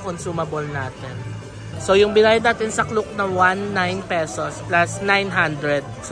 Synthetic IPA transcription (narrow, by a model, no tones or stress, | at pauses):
konsuːmɐbolnaːt̪ɛn | so̞jʊŋbɪnaːjɐd̪naːt̪ɪnsɐklʊk̚nɐwanːajnpɛsosplɐsnajnɦand̪ɹɛd̪̚s